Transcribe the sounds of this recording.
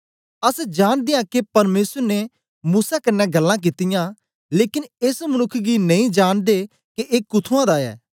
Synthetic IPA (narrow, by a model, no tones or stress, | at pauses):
ɐsd͡ʒaːɽ̃d̪ɪjãkepɐɾmeːsəɾne | muːsakɐnːɛɡɐlːãk̬it̪ɪjã | leːkɪnesmənʊkʰːɡinɐ̃ĩd͡ʒaːɽ̃d̪e | keʔeːkʊt̪ʰuãd̪aːɛ̰ː